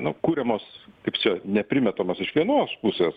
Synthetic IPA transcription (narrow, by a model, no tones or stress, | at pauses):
nʊkuːɾʲɛmoːskɐɪpt͡ʃʲɛnʲɛpʲɾʲɪmʲɛt̪oːmɐsɪʃʋʲiɛnoːspusʲeːs